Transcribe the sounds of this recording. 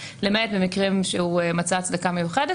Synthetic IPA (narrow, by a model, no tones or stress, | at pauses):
lemetbemikʁimʃehuemat͡saːt͡sd̪akame̞juχede